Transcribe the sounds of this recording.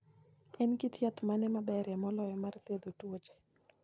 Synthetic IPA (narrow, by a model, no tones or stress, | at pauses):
ɛnkit̪jat̪manɛmabɛɾɛmɔlɔjɔmart̪ed̪otwot͡ʃe̥